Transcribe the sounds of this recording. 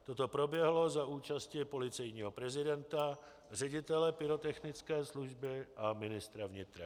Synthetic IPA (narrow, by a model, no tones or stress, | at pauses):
t̪ot̪o̞pɾo̞bjɛɦlo̞zaʔuːt͡ʃascɪpo̞lɪt͡sɛjɲiːɦo̞pɾɛzɪdɛnt̪a | r̝ɛɟɪt̪ɛlɛpɪɾo̞t̪ɛxnɪt͡skɛːsluʒbɪʔamɪnɪst̪ɾavɲɪt̪ɾa